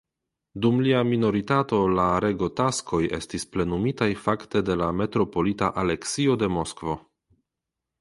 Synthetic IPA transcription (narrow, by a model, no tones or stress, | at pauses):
dumliamino̞ɾitato̞laɾe̞ɡo̞taskʰo̞je̞̰stisple̞numitajfakte̞de̞lame̞tɾo̞po̞litaʔale̞ksio̞de̞mo̞skvo̞